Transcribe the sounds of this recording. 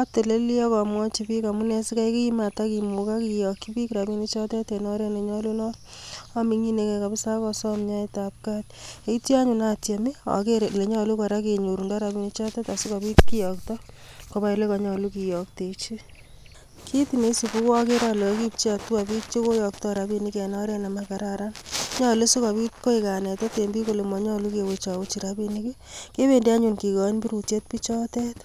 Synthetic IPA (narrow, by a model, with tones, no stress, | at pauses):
a˦te˨le˦li˦ɔ˦kɔ˨mwɔ˦t͡ʃi˧pi˦ka˨mu˦ne˦si˦ka˦jki˦i˦ma˨taki˨mu˨ka˦kijɔ˨kːi˦pi˦kɾa˨pi˦ni˦t͡ʃɔ˦tɛ˦te˨nɔ˦ɾe˦ne˨ɲɔ˦lu˦nɔ˦ | a˦mi˨ŋi˦ne˨ke˧ka˨pi˦sa˦kɔ˧sɔmɲa˦eta˨p̚ka˦te˨˦ti˦a˦ɲu˨na˦tja˨mi˦a̰˨keɾle˨ɲɔ˦lu˦ka˨ɾa˦ke˨ɲu˨ɾu˨ŋɡa˦ɾa˨mi˨ni˦t͡ʃɔ˦tɛ˦ta˨su˦ka˨pi˦tki˦jɔ˨ktɔ˦ko˨ba˦jle˦kɔ˨ɲɔ˨lu˦ki˨jɔ˨k̚te˨t͡ʃi˦ | kʰi˦ti˨me˨i˦si˨pu˦kɔ˦ke˦ɾa˦lɔ˨˦ki˦p̚t͡ʃi˦a˨tu˦a˨bi˦t̚t͡ʃo˦ko˦jɔ˨ktɔ˦ɾa˨bi˨ni˦ke˨nɔ˦ɾe˦na˨maka˨ɾaɾa˦nɲɔ˦le˦su˦ka˨bi˦tko˦ika˨nɛ˨tɔ˦te˨mbi˦ko˨le˨mɔ˨ɲɔ˦lu˦ke˨wet͡ʃa˨wu˦t͡ʃi˨ɾabi˨niki˦ | ke˦be˨nde˦a˦ɲu˨nki˨kɔ˨˦nbi˦ɾu˨tje˦t̚pi˦t͡ʃɔ˦te˦t